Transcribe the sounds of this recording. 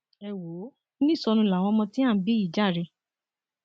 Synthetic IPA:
ɛ˨wo˨˦ | nĩ˦˨sɔ˧nũ˧la˨w̃ɔ̃˧mɔ̃˧tĩ˦a˦˨˦bi˦i˦˨d͡ʒa˦˨ɾe˧

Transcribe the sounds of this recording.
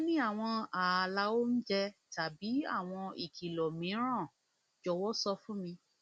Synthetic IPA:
nĩ˦a˦˨w̃ɔ̃˧a˨la˨˦o˦n̩˦d͡ʒɛ˧ta˨bi˨˦a̰˦˨w̃ɔ̃˧i˦˨kʰi˨lɔ˨mĩ˨˦ɾ̃ã˦˨ | d͡ʒɔ˨˧wɔ˦sɔ˧fũ˦mĩ˧

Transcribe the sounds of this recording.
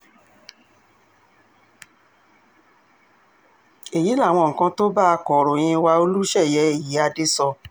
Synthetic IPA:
e˨ji˨˦la˦˨w̃ɔ̃˧ŋ̩˨kã˧to˦ba˦˧kɔ˨ɾo˨j̃ĩ˧wa˧o˧lu˦ʃɛ˦˨jɛ˧˦e˨ji˨˦a˧de˦sɔ˧

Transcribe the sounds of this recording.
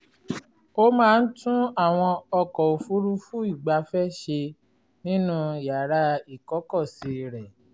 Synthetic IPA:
o˦mãː˦˧n̩˦tũ˦a˦˨w̃ɔ̃˧ɔ˧kɔ˨o˨fu˨˦ɾu˦fu˦i˦˨ɡ͡ba˧fɛ˦ʃe˧ | nĩ˦nũ˧˨ja˨ɾa˧i˨kɔ˨˦kɔ˦˨si˧˦˨ɾɛ˨

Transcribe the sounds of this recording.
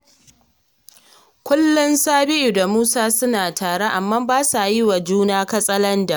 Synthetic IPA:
kʷʊ˦lːʊ˦nsaː˦bɪ˦ʔu˨da˨muː˦saː˦sʊ˦naː˨tʰaː˨ɽe˦ʔa˨mːa˦baː˦sa˨jɪ˦wa˨d͡ʒuː˦naː˦kɐ˦sʼɐ˦lɐ˦nda˨ʔ

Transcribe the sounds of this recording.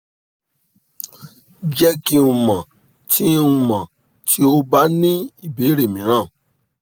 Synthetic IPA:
d͡ʒɛ˧ki˧ũ˨˧mã˨ | tʰi˦ũ˧mã˨ | tʰi˦o˦ba˦nĩ˦i˦˨be˨˦ɾe˦˨mĩ˨˦ɾ̃ã˦˨

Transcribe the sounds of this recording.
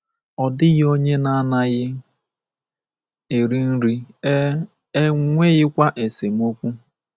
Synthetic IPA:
ɔ˨dɪ˦ɣɪ˦o˦ɲe˦na˦a˦na˦ɣɪ˦ | e˨ɾi˦n̩˦ɾi˦ | ŋʷe˦ɣɪ˦kʷa˦ʔe˨se˨m̩˦o˦kʷu˦

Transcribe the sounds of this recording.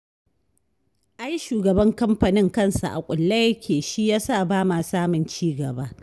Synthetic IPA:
ʔa˦jʃuː˨ɡɐ˨bɐ˦ŋkɐ˦mɸa˨nɪ˦ŋkɐ˦˨nsa̰˨ʔa̰˨kʷʼʊ˨lːɐ˦jɐ˦kʲʰeː˨ʃi˦jaː˦sa˦˨baː˦ma˨saː˦mʊ˨nt͡ʃiː˦ɡɐ˨ba˦

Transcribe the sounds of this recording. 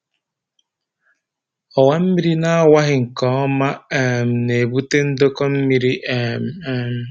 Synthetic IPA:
ɔ˨wa˦m̩˦mi˦ɾi˦na˦a˦˨wa˦ɦɪ˨ŋ̩˨kɔ˨˦ɔ˦ma˦e˨m̩˨ne˨bu˦te˦n̩˦do˦kɔ˦m̩˦mi˦ɾi˦ʔe˨m̩˨˦m˦

